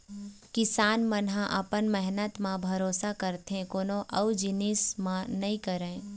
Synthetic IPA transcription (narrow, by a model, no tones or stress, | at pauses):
kɪsaːnmənɦãʔɐpənmɛɦnət̪mãbʱɐɾoːsakəɾt̪ɦẽkoːnõʔɐwd͡ʒɪnismãnɐɦĩkəɾẽː